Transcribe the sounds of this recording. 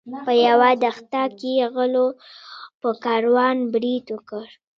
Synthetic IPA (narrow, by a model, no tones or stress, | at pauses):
pəjawad̪axt̪ɑkeɣəlo | pəkɑɾwɑnbɾid̪wəkəɾ